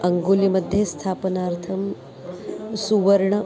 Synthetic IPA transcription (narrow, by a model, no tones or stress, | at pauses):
ɐŋɡuːlimɐd̪ʱjest̪ʰaːpənaːɾt̪ʰɐm | suʋɐɾɳɐ